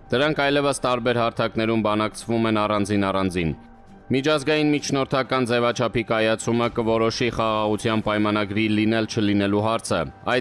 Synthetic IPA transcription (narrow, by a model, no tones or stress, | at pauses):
d̪̥əɾɑŋkʰɑjlɛvəst̪ɑɾbɛɾɦɑɾt̪ʰɑkn̪ɛɾumbɑnɑkt͡sʰvumɛnɑrɑnd͡zinɑrɑnd͡zin | mit͡ʃʰɑzɡɑjinmit͡ʃʰn̪ɔɾt̪ʰɑkɑnd͡zɛvɑt͡ʃʰɑpʰikɑjɑt͡sʰuməkəvɔɾɔʃiχɑʁɑʁut͡sʰjɑnpɑjmɑnɑɡɾilinɛlt͡ʃʰəlinɛluɦɑɾt͡sʰə̰ɑj